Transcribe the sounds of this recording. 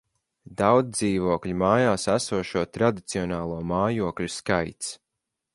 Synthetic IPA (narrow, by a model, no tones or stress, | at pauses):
d̪awd̪iːvuɔklʲimaːjaːsæsuɔʃuɔt̪ɾad̪it̪siɔnaːlˠuɔmaːjuɔklʲuskajt̪s